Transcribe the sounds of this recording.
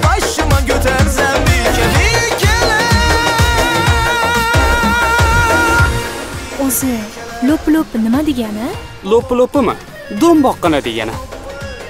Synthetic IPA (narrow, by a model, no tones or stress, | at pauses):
baʃɪmankʲʰot̪ʰaɾsamealekʲʰɪn | ozɪ | loplopɪnɪmad̪e̞ɡʲanɪ | lˠopːlˠopɪmɪ̰ | d̪ombɒqːɨnad̪eɡʲa̰nɪ